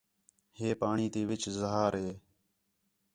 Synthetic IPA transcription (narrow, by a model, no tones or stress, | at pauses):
heːpaːɳiːt̪eːʋɪt͡ʃzəɦaːɾɦeː